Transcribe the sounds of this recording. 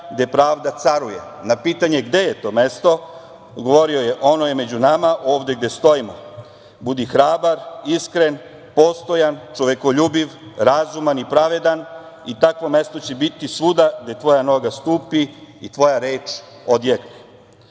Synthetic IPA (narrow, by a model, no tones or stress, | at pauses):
ɡd̪epɾaːʋd̪at̪saɾujḛ | napiːt̪aɲe̞ɡd̪e̞je̞t̪o̞ːmest̪o̞ | ɡo̞ʋo̞ɾiojeʔo̞noje̞me̞d͡ʑunamaʔo̞ːʋd̪eɡd̪est̪o̞imo̰ | bud̪ixɾaːbaɾiskɾe̞n | po̞st̪o̞jant͡ʃo̞ʋe̞ko̞ʎuːbiʋɾazumanipɾaʋe̞d̪an | it̪akʋo̞me̞st̪o̞t͡ɕebit̪isud̪aɡd̪e̞t̪ʋo̞jano̞ɡast̪uːpiit̪ʋo̞jaɾeːt͡ʃ | od̪jekni